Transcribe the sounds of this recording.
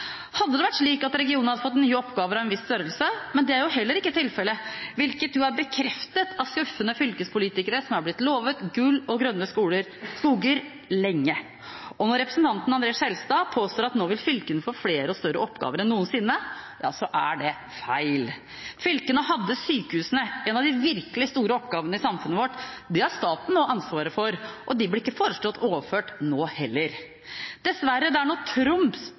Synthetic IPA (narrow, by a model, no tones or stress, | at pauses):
hɑd̪ːəd̪ɛʋæʈːʂɭiːkɑt̪ɾɛɡɪuːnn̩hɑd̪əfɔt̪ːnyːɔpːɡɑːʋəɾɑʋɛnʋɪsːt̪œɾəlsəmɛnd̪ɛæɾjʊɦɛlːəɾɪkːət̪ʰɪlfɛlːəʋɪlkət̪̚d̪ʉæɾbəkʰɾɛft̪ət̪ɑskʉfːənəfʏlkəspʰʊliːt̪ɪkəɾəsɔmæɾblɪt̪ːloːʋət̪ɡʉlːɔɡɾœnːəskuːləɾskuːɡəɾ | lɛŋːə | ɔnɔɾɛpɾəsnt̪ʰɑnt̪n̩ɑnd̪ɾeːsɛlst̪ɑːpʰoːst̪oːɾɑt̪noːʋɪlfʏlkənəfoːfleːɾəɔst̪œɾəʔɔpːɡɑ̰ːʋəɾɛnːuːənsɪnːəjɑ̰ːsɔʔæɖɛ | fæɪl | fʏlkənəhɑd̪ːəsyːkəhʉːsənəʔɛnɑʋd̪ɪʋɪɾkəlɪst̪uːɾəɔpɡɑːʋənəɪsɑmfʉnəʋɔʈd̪ɛhɑɾʂt̪ɑːt̪n̩noːɑnsʋɑːɾəfɔɾʔɔd̪ɪblɪɪkːəfoːɾəʂt̪ɔt̪ʰːoːʋəføːʈnoːhɛlːəɾ | d̪̥ɛsʋæɾəd̪ɛæɳɔːt̪ʰɾʊms